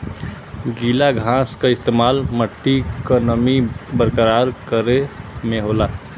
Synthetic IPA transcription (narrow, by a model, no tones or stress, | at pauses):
ɡilaɡʱãskaɪst̪emaːlməʈːikənəmibəɾkəɾaɾkəɾemeɦola